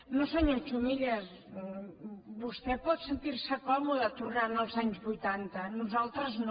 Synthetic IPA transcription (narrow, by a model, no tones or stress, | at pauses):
nosoɲõt͡ʃumiʎɐs | βust̪ɛpɔðsent̪iɾsɐkɔmuðɐt̪uranalˠzaɲuzβujt̪ant̪ɐnuzalˠt̪ɾɐzn